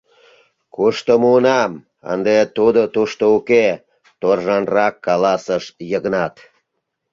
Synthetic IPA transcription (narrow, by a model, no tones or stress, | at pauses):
kuʃt̪əmunɑm | ə̰nd̪et̪ud̪ot̪uʃt̪ouke | t̪orʒɑnrɑkːɑlɑsəʃjəɣnɑt̪